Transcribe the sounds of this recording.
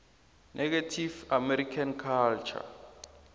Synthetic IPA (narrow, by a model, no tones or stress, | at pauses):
nʔɛk̬etʰivamɛɾikʰankʰalt͡ʃʰa̰